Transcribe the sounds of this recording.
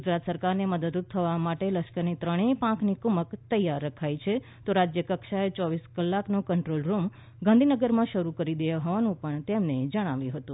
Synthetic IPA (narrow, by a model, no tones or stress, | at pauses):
ɡud͡ʒɾat̪səɾkaɾneməd̪əd̪ut̪̚t̪ʰəʋamaʈeləʃkəɾnit̪ɾəɽ̃epãknikuməkt̪əjːaɾːəkʰajt͡ʃʰe | t̪oɾad͡ʒjəkəkʃaet͡ʃɔʋiskəlːaknokəɳʈɾolɾum | ɡãnd̪ʱinəɡəɾmãʃəɾukəɾid̪əjaɦɔʋanũpəɳt̪emned͡ʒəɽ̃aʋjũɦət̪ũ